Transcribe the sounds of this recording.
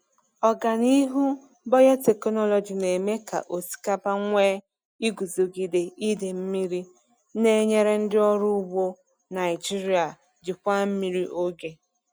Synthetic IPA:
ɔ˨ɡa˨ni˦ɦu˦ | bɔ˦ja˦te˨kɔ˦nɔ˦lɔ˨d͡ʒi˨ne˨me˦ka̰˨ʔo˨si̥˨ka˦pa˦ŋʷeː˦ | i˦ɡu˨zo˨ɡi˨de˨i˦de˨m̩˦mi˦ɾi˦ | ne˦ɲe˦ɾe˦n̩˦dɪ˦ɔ˦ɾʊ˦bo˦ | na˨ɪ˨d͡ʒi˦ɾi˨a˨ | d͡ʒɪ˨kʷa˦m̩˦mi˦ɾi˦ʔo˦ɡe˦

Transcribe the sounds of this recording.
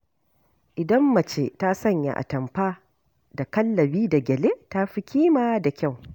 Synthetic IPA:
ʔɪ˨dɐ˦mːɐ˨t͡ʃeː˦ta˦sɐ˦˨ɲja̰˦ʔa̰˨tɐ˨mɸaː˦ | da˨kɐ˦lːɐ˨biː˦da˨ɡʲɛ˨leː˦ta˦ɸi˦kʲiː˦maː˦da˨kʲa˦˨w

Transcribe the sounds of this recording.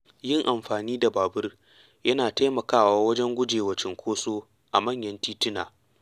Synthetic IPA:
jɪ˦ŋʔa˨mɸaː˨niː˦da˨baː˨bʊ˦r | jɐ˦naː˨ta˦jmɐ˨kaː˦˨waː˦wɐ˦d͡ʒɛ˦ŋɡʷʊ˦d͡ʒeː˨wɐ˨t͡ʃɪ˨ŋkʷʰoː˦soː˦ | ʔa˨mɐ˦˨ɲjɐ˦ntiː˦tɪ˦na̰ː˨

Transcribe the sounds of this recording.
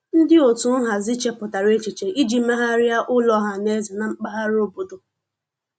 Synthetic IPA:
n̩˦dɪ˦o˨tu˨˦n̩˦ɦa˨zɪ˦t͡ʃe˦pʊ˨ta˨ɾe˦t͡ʃi˨t͡ʃe˨ʔi˦d͡ʒi˨me˦ɦa˦ɾɪ˦a˦ʔʊ˦lɔ˦ɦa˨ne˦zɪ˨na˨ŋ͡m̩˦k͡pa˦ɦa˦ɾo˦bo˨do˨

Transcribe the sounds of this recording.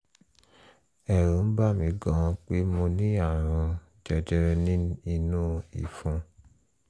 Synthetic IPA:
ɛ˨ɾõ˨˦n̩˦ba˦˨mĩ˨˦ɡɔ̃˨˦˧k͡pe˦mõ˧nĩ˦a˦˨ɾ̃ɔ̃˧ | d͡ʒɛ˧d͡ʒɛ˧ɾɛ˧nĩ˦i˧nũ˦ḭ˨fũ˧

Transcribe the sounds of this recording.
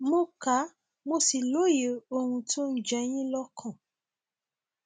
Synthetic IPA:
mo˧˦ka˨˦ | mo˧si˨lo˨˦je˨˦o˧hũ˧to˦n̩˦d͡ʒɛ˧j̃ĩ˦lɔ˦kʰã˦˨

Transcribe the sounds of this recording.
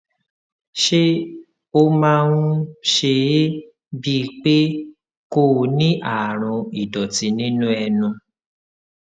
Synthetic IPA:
ʃe˦ | o˧mãː˧wũ˦ʃe˧je˦ | bi˦˧k͡pe˦ | ko˦˨nĩ˦ʔa˨ɾ̃ɔ̃˧i˨dɔ˨ti˧nĩ˦nũ˦ɛ˧nũ˧

